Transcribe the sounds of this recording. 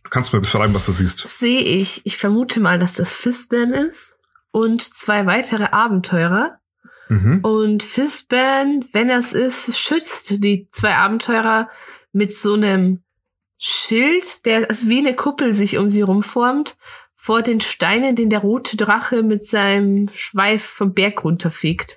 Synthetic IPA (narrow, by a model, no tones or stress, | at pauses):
d̥u̥ːkʰanstumaːɐbəʃʁ̥a̰ɪbm̩vasd̥uːziːstz̥eːəʔɪçɪçfɛɐmuːtʰəmaːldasd̥asfɪsb̥ɛɐnɪst | ʔʊntt͡sv̥aɪvaɪtʰəʁ̞əʔaːbm̩tʰɔʏʁ̞ɐ | ɦ̩ʔʊntfɪsb̥ɛɐnvɛnɛsɪstʃʏt͡std̥iːt͡sv̥aɪʔa̰ːbm̩tʰɔʏʁɐmɪtz̥oːnəm | ʃɪltd̥eːɐʔalzoviːnəkʰʊpl̩zɪçʔʊ̰mziːʁʊmfɔɐmt | foːɐdeːnʃtaɪnəndeːndeːɐʁoːtʰədʁaχəmɪtz̥aɪnəmʃv̥aɪffɔmbɛɐkʁʊntʰɐfeːkt